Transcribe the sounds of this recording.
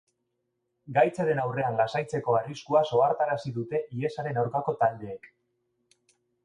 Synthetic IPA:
ɡajt͡seðe̞nawre̞anlasajt͡se̞ko̞ariskuaso̞aɾt̪aɾasiðut̪e̞ʔie̞saɾe̞nawɾkako̞t̪ald̪e̞ːk

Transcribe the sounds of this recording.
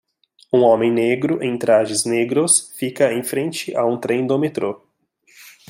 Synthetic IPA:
ũõmẽj̃neɡɾʊʔẽj̃t̪ɾaʒɪzneɡɾʊsfikɐẽj̃fɾẽnt͡ʃɪʔaũt̪ɾẽj̃d̪omet̪ɾo

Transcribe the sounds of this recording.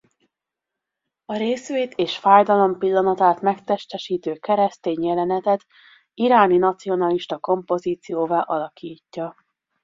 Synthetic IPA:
ɒɾeːsʋeːt̪eːʃfaːjd̪ɒlo̞mpilːɒnɒt̪aːt̪mɛkt̪ɛʃt̪ɛʃiːt̪øːkɛɾɛst̪eːɲjɛlɛnɛt̪ɛt̪ | iɾaːninɒt̪sio̞nɒliʃt̪ɒko̞mpo̞ziːt̪sijoːvaːʔɒlɒkʰiːcːɒ

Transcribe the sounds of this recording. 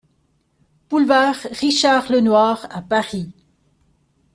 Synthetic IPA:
b̥ulvaːʁʁiʃaʁlənwaʁapaʁi

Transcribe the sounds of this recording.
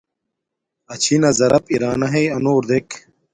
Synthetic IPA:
ɐt͡ɕʰinɐzɐɾɐpiɾaːnɐɦejɐnoːɾd̪ek

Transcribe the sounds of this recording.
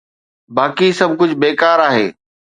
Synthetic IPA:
baːkisɐb̚ʱkʊd͡ʑʱbeːkaːɾaːɦḛː

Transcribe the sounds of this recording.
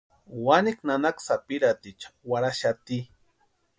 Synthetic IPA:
waniknanaksapiɾat̪it͡ʃḁwaɾaʃat̪i

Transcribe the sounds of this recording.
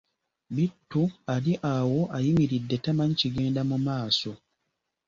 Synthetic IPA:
bitːuadiʔawoʔajimiɾidːetamãɲciɡeːndamumaːso

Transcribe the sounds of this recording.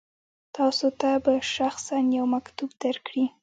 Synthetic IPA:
t̪ɑsot̪abaʃaxsanjawmakt̪ubd̪̥aɾkɽi

